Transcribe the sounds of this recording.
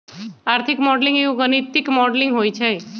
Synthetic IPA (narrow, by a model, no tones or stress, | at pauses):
aɾt̪ʰikmɔɖlĩŋɡeʋũɡənit̪ikmɔɖlĩŋɡɦojt͡ʃʰe